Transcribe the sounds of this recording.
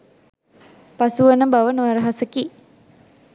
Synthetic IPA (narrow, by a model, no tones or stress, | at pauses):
pasuʋənəbaʋənəʋaɾəɦasəki